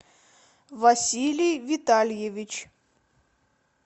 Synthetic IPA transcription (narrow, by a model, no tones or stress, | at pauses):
vɐsʲilʲijvʲɪt̪alʲjevʲit͡ɕ